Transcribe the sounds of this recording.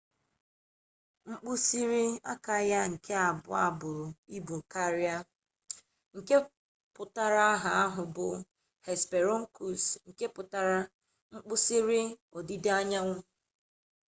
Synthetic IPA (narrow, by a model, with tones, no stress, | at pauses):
ŋ͡m̩˦k͡pu˦si˦ɾi˦a̰˦ka˨ja˦ŋ̩˨kʰe˦a˨bʊ̰˨a̰˦bʊ˨i˦bo˨ka˦ɾi˦a˦ | ŋ̩˨ke˦ | pʊ˨ta˦ɾa˦a˦ɦa˨a˦ɦʊ˨bʊ̰˨ | he˨spe˨ɾo˦ŋ̩˦ku˨sŋ̩˨ke˦pʊ˨ta˦ɾa˦ | ŋ͡m̩˦k͡pʊ˦si˦ɾi˦o˨di˦de˦a˦ɲa˦ŋʷʊ˦